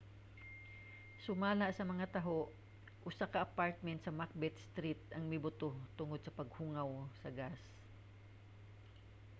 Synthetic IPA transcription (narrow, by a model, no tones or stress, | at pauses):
sʊmaːlɐʔsɐmɐŋat̪ɐɦoʔ | ʔʊsakɐʔɐpaɹt̪̚mɛnt̪sɐmak̚bɛt̪̚st̪ɾit̪̚ɐŋmɪbʊt̪ot̪ʊŋod̪̚sɐpɐɡ̚huŋɐwsɐɡas